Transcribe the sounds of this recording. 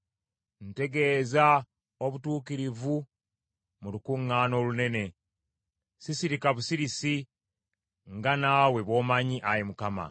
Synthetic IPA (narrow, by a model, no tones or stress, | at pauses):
n̩te̞ɡe̞ːza | oβutuːkiɾivu | mulukuŋːaːno̞ːlune̞ne̞ | sisiɾikaβusiɾisi | ŋɡanaːwe̞βo̞ːmaɲiʔajemukama̰